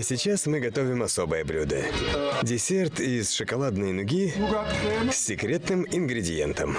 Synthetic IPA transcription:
sʲɪt͡ɕasmɨɡɐt̪o̞vʲɪmɐso̞bɨjəblʲud̪ə̰dʲɪsʲe̞rt̪isʂɨkɐlˠad̪nɨjnʊɡʲiɡsʲːɪkɾʲe̞t̪nɨmɪnɡɾʲɪdʲɪ̰je̞̰nt̪əm

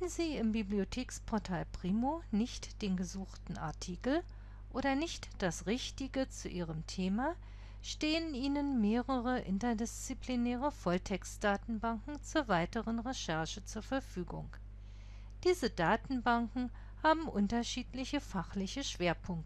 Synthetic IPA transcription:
n̩ziːɪmbibliotʰeːkspʰɔɐtʰaːlpʁ̥iːmonɪçtd̥eːnɡəzuːxtn̩a̰ɐtʰiːkl̩ | ʔoːɾɐnɪçtd̥asʁɪçtɪɡət͡suʔiːʁəmtʰeːma | ʃteːənʔiːnənmeːʁəʁəʔɪ̰ntɐdɪst͡siplinɛːʁ̞əfɔltʰɛkstd̥aːtn̩baŋkŋ̩t͡suːɐvaɪtəʁənʁeʃɛɐʃət͡suːɐfɛɐfyːɡʊ̰ŋ | d̥iːzədaːtn̩baŋkŋ̩ | haːbm̩ʔʊntɐʃiːtlɪçəfaχlɪçəʃv̥eːɐpʰʊŋk̚tə

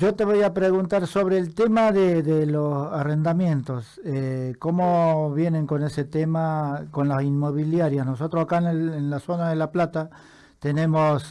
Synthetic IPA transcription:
ʒo̞t̪eβojapɾeɣunt̪aɾso̞βɾeːlt̪e̞maðeðelosare̞nd̪amjẽ̞nt̪o̞s | eko̞mo̞βje̞ne̞ŋko̞ne̞se̞t̪e̞makonlasinmo̞βiljaɾjasnoso̞t̪ɾosakaenelenlaso̞naðelaplat̪a | t̪enẽ̞mos

